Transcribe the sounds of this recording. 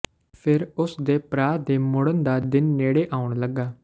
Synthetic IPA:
pʰɪɾʊsd̪eːpɾaːd̪eːmʊɽənd̪aːd̪ɪnːeːɽeːʔaːʊɳləɡːaː

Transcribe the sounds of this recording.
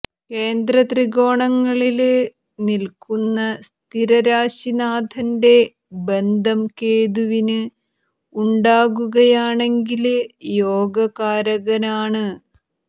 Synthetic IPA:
ke̞ːnd̪rɐt̪riɣo̞ːɳɐŋːɐɭil | nilkunːɐst̪ʰiɾɐɾaːɕinaːd̪ʱɐnde̞ | be̞nd̪ʱɐmkeːðuʋinɨ | uɳɖaːɣuɣɐjaːɳe̞ŋɡiljoːɡɐɣaːɾɐɣɐnaːɳɨ

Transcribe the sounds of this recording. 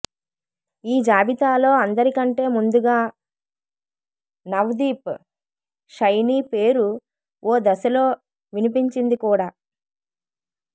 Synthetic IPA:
iːd͡ʒaːbit̪aːlo̞ːɐnd̪ɐɾikɐɳʈe̞ːmund̪uɡaː | nɐʋd̪iːp | ʃɐjniːpe̞ːɾu | oːd̪ɐsɐlo̞ː | ʋinipiɲt͡ʃind̪ikuːɽaː

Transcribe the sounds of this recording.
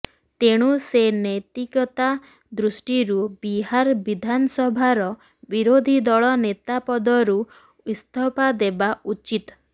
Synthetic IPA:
t̪eɽ̃usenɔjt̪ikɔt̪a | d̪ɾusʈiɾubiɦaɾbid̪ʱanɔsɔbʱaɾɔ | biɾod̪ʱid̪ɔɭɔnet̪apɔd̪ɔɾu | ist̪ʰɔpad̪ebaut͡ʃit̪

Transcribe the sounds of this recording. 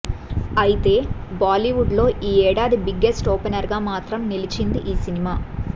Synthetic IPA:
ɐjit̪e̞ːbaːliʋuɖlo̞ːʔiːɛːɽaːd̪ibiɡːesʈoːpenɐɾɡaːmaːt̪ɾɐmnilit͡ʃind̪iʔiːsinimaː

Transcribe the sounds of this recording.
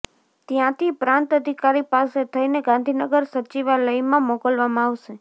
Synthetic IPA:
t̪jãt̪ʰipɾãnt̪əd̪ʱikaɾipaset̪ʰəineɡãnd̪ʱinəɡəɾsət͡ʃiʋaləjmãmokəlʋamãaʋʃe

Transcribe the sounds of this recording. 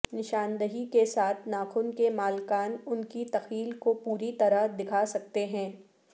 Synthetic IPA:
nɪʃaːnd̪əɦikesaːt̪ʰnaːxʊnkemaːlkaːnʊnkit̪ɐxiːlkopuːɾit̪ɐɾəd̪ɪkʰasɐk̚t̪eɦɛ̃ː

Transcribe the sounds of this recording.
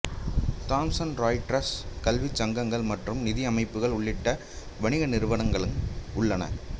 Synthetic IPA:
t̪aːmsɐnɾaːɪʈɾɐskɐlʋit͡ʃːɐŋɡɐŋɡɐɭmɐʈrɯmnɪðɪɐmɐɪpːɯɣɐɭʊɭːɪʈːɐ | ʋɐɳɪɣɐnɪɾɯʋɐnɐŋɡɐɭɯnʊɭːɐnɐ̰

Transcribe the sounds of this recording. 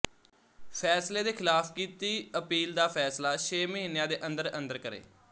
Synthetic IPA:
pʰɛːsleːd̪eːkʰɪlaːfkiːt̪iːəpiːld̪aːpʰɛːslaːʃʰeːməɦiːnjãːd̪eːʔə̃nd̪əɾə̃nd̪əɾkəɾḛː

